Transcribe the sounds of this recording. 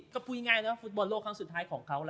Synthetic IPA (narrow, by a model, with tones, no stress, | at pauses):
kɔ˥˩pʰu˧jŋaː˧jna˧˦wa˥˩fu˦˥t̪̚bɔː˧nloː˥˩k̚ʰaː˧ŋsu˨˩t̪ʰːaː˦˥jkʰɔː˩˦ŋkʰa˦˥wla˧